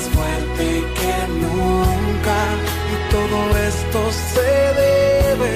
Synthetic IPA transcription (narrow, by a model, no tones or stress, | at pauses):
sfweɾt̪e | ke | nũŋka | it̪oðoest̪o | seðeβe